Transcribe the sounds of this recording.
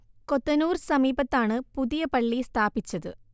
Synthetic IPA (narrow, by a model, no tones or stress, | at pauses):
kot̪ːɐnuːrsɐmiːbɐt̪ːaːɳɨpuðijɐpɐɭːist̪ʰaːbit͡ɕːɐðɨ̰